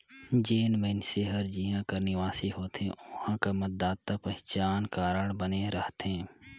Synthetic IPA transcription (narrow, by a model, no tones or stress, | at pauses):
d͡ʒeːnʋənseɦəɾd͡ʒiːɦãkɐɾnɪʋaːsiɦoːt̪ḛ̃ʔʊhãkamɐt̪̚d̪aːt̪ːapɛɦt͡ʃaːnkaːɾəɽbəneɾəɦt̪ɦẽː